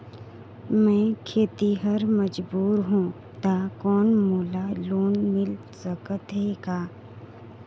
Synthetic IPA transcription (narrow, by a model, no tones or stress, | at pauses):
mɛ̃ːkʰeːt̪iɦəɾməd͡ʒbuːɾɦũː | t̪aːkɔːnmoːlaloːnmɪl | səkət̪ɦɛkaː